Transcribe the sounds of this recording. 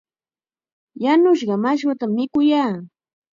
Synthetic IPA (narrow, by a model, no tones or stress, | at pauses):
janʊʃ̬ɢɑmaʃ̬wat̪amːɪkʊjaː